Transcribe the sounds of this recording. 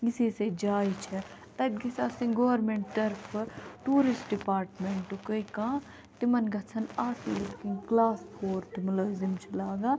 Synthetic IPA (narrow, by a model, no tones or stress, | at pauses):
ɡisiːsed͡ʒaːit͡ʃʰɐt̪ɐbɡisaːsĩɡoʋɾmẽɳʈt̪ɐɾpʰʈuːɾisʈ̚ɖipaːɾʈmeɳʈʈukəikãː | t̪imɐnɡɐt͡sʰɐnaːsiːlukĩŋɡklaːspʰoːɾt̪imʊlɐːzimt͡ʃʰilaːɡaː